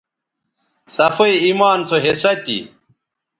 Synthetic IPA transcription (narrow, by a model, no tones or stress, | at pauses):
sɐfɐiimaːnt͡s̪ʰoɦesɐt̪ḭ